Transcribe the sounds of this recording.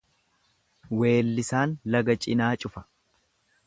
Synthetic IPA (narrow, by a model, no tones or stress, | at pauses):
we̞ːlːɪsaːnlɐɡɐt͡ʃʼɪnaːt͡ʃʼʊfɐ̥